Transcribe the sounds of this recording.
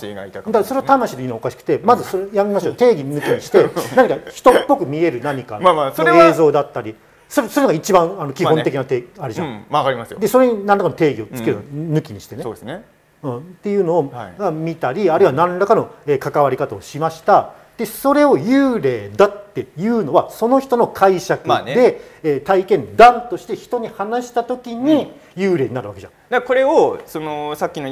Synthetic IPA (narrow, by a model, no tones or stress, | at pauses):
ɡait̪ad̪aso̞ɾe̞ot̪amaɕid̪inookaɕi̥kɯ̟̥t̪e̞mazɨsojamemasɕot̪e̞ːɡʲinɯ̟kʲiɲiɕi̥t̪e̞naɲ̟ikaçi̥t̪o̞pːo̞kɯ̟mʲie̞ɾɯ̟naɲ̟ikanasoeːzo̞ːd̪at̪ːaɾʲi | soɾeso̞ɾenoɡait͡ɕibãŋano̞kʲihont̪ekʲinat̪eaɾed͡ʑãaaɾimasd̪eso̞ɾe̞ɲ̟inãnd̪akanot̪e̞ːɡʲio̞t͡sɨ̥ke̞ɾɯnonɯ̟kʲiɲ̟iɕi̥t̪e̞nee | ɯ̃ːt̪ːe̞jɯ̟ːno̞ːɡamʲit̪aɾʲiaɾɯiβanãnɾakano̞eːkakaβaɾʲikat̪aoɕimaɕi̥t̪a | d̪̥e̞so̞ɾe̞o̞jɯːɾe̞ːd̪at̪ːe̞jɯ̟ːno̞βaso̞no̞çi̥t̪o̞no̞kʰaiɕakɯand̪e̞eːt̪aikẽ̞nd̪ãnt̪o̞ɕi̥t̪e̞çi̥t̪o̞ɲ̟ihanaɕi̥t̪at̪o̞kʲiɲ̟i | jɯːɾe̞ːɲ̟inaɾɯ̟βake̞d͡ʑã̰d̪ako̞ɾe̞osonosakʲːino